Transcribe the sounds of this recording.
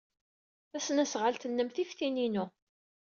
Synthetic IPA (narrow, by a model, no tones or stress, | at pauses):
æsnæsʁəlt̪ənːəmθifθininu